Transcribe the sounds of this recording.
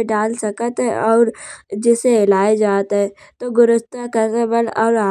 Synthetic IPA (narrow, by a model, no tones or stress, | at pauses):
ɖaːlsɐkət̪ɦɛʔɔːɾd͡ʒɪseɪlaːed͡ʒaːt̪ɦɛ | t̪oɡʊɾʊst̪akəɾt̪ebəlɔːɾa